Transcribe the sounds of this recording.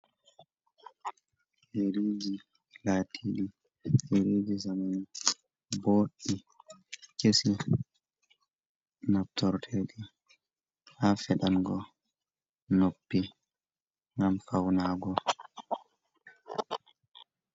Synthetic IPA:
heɾiːd͡ʒi | latʰiɗi | heɾid͡ʒizamani | boːɗi | kesi | nap̚tɔɾtʰɛɗi | hafɛɗanɡɔ | nopːi | ŋɡamfawnaːɡɔ

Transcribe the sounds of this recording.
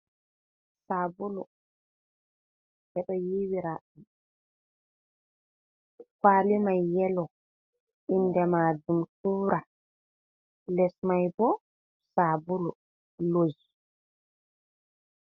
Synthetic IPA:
saːbulu | ʔɛɗɔjiwiɾaɗi | kaːlimajːɛlɔ | ʔindɛmadumtuːɾa | lɛsmajbɔ | sabulu | lod͡ʒi

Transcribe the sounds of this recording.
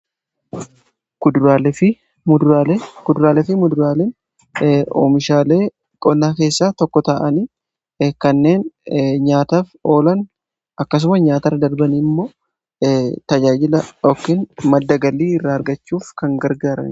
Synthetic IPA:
kʊd̪ɾaːlfɪ | kʊd̪ʊɾaːlɛfɪmʊd̪ʊɾaːlen | ʔo̰ːmɪʃaːle̞ː | kʼɔnːaːke̞ːsːaːt̪ɔkːɔt̪aːʔɐniː | kɐnːe̞ːnɲaːt̪aːfo̞ːlɐn | ʔɐkːɐs̬ʊmɐsɲaːt̪ɐɾɐd̪ɐɾbɐnimːo̞ː | t̪ɐd͡ʒaːd͡ʒɪlɐɔkːɪnmɐd̪ːɐɡɐlːiːɪrːaːɐɾɡɐt͡ʃːuːfkɐŋɡɐɾɡaːɾɐ̰n

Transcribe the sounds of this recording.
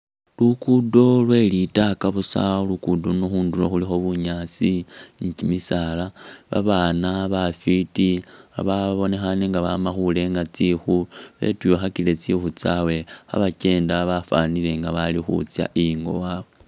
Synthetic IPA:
lukudo̞lwe̞ːlitakaβusa̰lukudonuxuːnduloxulixo̞βuɲaːt͡siicimisalaβa̰βaːnaβafitia̰βaβo̞ne̞xaneŋɡaβamaxule̞ŋɡat͡sixuβe̞̰tujoxakile̞t͡sixut͡sawe̞ha̰βace̞ːndaβafa̰nile̞ŋɡaβalixṵt͡sja̰ʔijiŋɡo̞̰waːβe

